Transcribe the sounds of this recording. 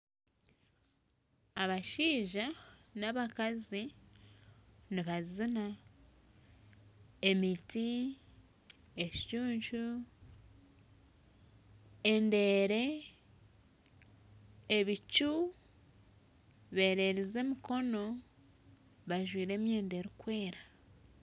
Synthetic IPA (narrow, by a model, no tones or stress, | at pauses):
aβaʃiːʒanaβakazi | niβazina | emiti | eʃt͡ʃuːɲt͡ʃu | ende̞ɾe̞ | βit͡ʃu | βe̞ːɾe̞ɾize̞miko̞no̞ | βaʒwiːɾe̞ːmje̞ːnde̞ɾukwe̞ːɾa